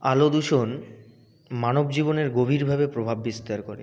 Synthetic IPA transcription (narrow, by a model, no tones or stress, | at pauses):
alod̪uʃon | manobd͡ʑiboneɾɡobʱiɾbʱabepɾobʱabːist̪aɾkoɾḛ